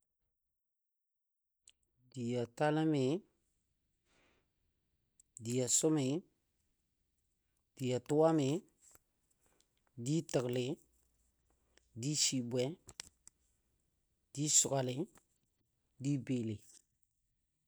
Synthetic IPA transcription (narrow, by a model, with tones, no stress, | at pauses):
di˨ja˨ta˦lɪ˦mɪ˨ | di˨ja˨sʊ˦mɪ˨ | d̥i˨ja˨tʊ˦wa˦mɪ˨ | di˦tə˨ɡlɪ˨˦ | di˦si˨bwɛ˨˦ | d̥i˦sʊ˨ɡa˨lɪ˨˦ | di˦beː˨le˨